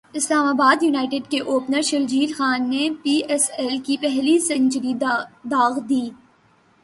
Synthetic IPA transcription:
ɪslaːmaːbaːd̪juːnaːɪʈeɖkeʔoːpnəɾʃɐld͡ʒiːlxaːnːepiːɛsɛlkipɛɦlisɐɲt͡ʃɾid̪aːɣd̪iː

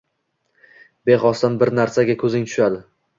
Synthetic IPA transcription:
beχɒst̪anbɪɾnaɾsaɡʲakʰɵzɪŋt̪ʰʊ̥ʃad̪ɪ

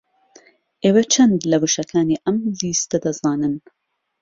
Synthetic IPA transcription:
ʔeːwɐt͡ʃʰɐnd̪lɐbuʃɐkʰaːniːʔɐmliːst̪ɐd̪ɐzɑːnɨn

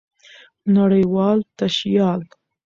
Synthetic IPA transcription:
naɽəjwɑlt̪aʃjɑl

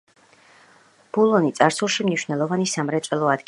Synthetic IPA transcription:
b̥ulˠɔnit̪sʼaɾsulˠʃimniʃwnɛlˠɔvanisamɾɛt̪sʼɛlˠɔad̪ɡ

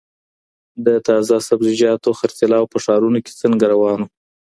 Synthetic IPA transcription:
d̪ət̪ɑzasabzɪd͡ʒɑt̪oxaɾt͡salɑwpəʂɑɾunoke̥t͡səŋɡaɾawɑno

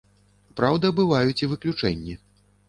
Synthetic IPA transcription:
pɾawd̪ɐbɨvajut͡sʲivɨklʲut͡ʂɛ̰nʲːi

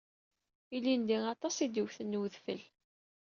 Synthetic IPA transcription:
ilːind̪iɑt̪ˤɑsid̪iwθənːwðfəl

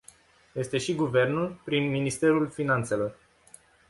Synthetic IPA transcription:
je̞st̪e̞ʃiɡuve̞rnulpɾinminist̪e̞ɾulfinant̪se̞lo̞r

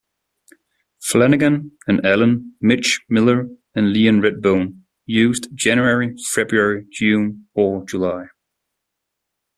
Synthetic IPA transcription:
flɛnɪɡɨ̃nɨ̃nɛlˠə̃nmɪt͡ʃmɪlˠə˞ | ɨ̃nliɨ̃nɹɛd̚bõʊ̃n | jʉːzdd͡ʒɛ̃njɛɹifɛbɹuɛɹid͡ʒʉ̃ːnəd͡ʒəlaɪ

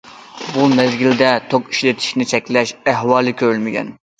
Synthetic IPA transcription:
bumɛzɡʲild̪ɛt̪ʰoki̥ʃlet̪ʰi̥ʃnɪt͡ʃʰɛkʲlɛʃæɦwɑːlˠɨkʲʰøɾylmɪɡʲɛ̰n

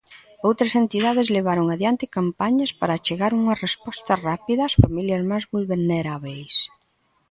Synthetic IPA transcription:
owt̪ɾɐsent̪iðaðɪzleβ̞aɾoŋaðjant̪ɪkampaɲɐspaɾaːt͡ʃeɣaɾuŋɐrespɔst̪ɐrapiðɐːsfamiljɐzmajzβulβelneɾaβejs

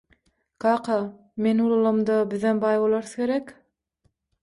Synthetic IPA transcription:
kʰɑːqʰɑ | menulˠɑlˠɑmd̪ɑbɪðenbɑjbolˠɑɾθkʲe̞ɾek

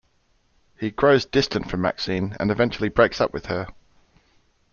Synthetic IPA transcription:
hiɡɹəʊzdɪstə̃ntfɹə̃mːa̰ksĩnə̰̃nɪvɛ̃nt͡ʃəl̩ˠibɹeɪksʌ̰pwɪð̥ə

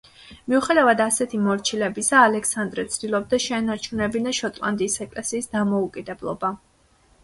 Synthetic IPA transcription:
miuχɛd̪avad̪asɛt̪ʰimɔɾt͡ʃʰilɛbisaːlɛksand̪ɾɛt̪sʰd̪ilˠɔb̚d̪aʃɛːnaɾt͡ʃʰunɛbinaʃɔt̪ʼlˠa̰nd̪iːsɛkʼlɛsiːsd̪amɔukʼid̪ɛblˠɔ̰ba

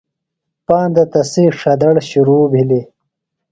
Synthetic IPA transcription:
paːnd̪ɐt̪ɐsiːʂɐd̪ɐɽɕuɾuːbʱili

